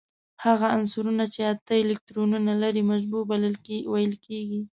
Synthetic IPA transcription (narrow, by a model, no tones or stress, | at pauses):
haɣaansuɾunat͡ʃeat̪aɪlɪk̚ʈɾonunalaɾimaʒbuɾbləlwajəlkeɡi